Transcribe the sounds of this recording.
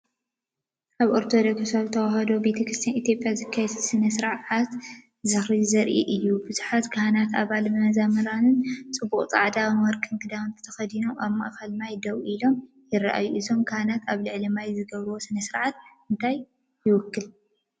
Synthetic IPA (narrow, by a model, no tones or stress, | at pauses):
ʔaβʔoɾt̪ʰo̞d̪okssaβt̪ʰɐwahɐd̪o̞be̞t̪ʰɐkʰɾɨst̪ʰijanit̪jo̞pʼːjazɨkʰːajɛd̪sɨnɐsɨɾʕat̪ | zɨxɾizɐɾʔiʔɨjːubɨzuħat̪kʰɐhanat̪aβalmɐmɐzamɐɾanɨnt͡sʼɨbːuqʼt͡sʼa̰ʕd̪awɐɾkʼɨnkʰɨd̪aβɨnt̪ʰɐ̥t̪ʰɐxɐd̪inomʔaβma̰ʔkʰɐlmajd̪ɐwʔilo̞m | jɪra̰ʔa̰juʔizo̞mkʰahanat̪aβlɨʕlimajzɨɡɐβɾɨwo̞sɨnɐsɨɾʕat̪̚ɨnt̪ʰaj | jɪwʊkːɨl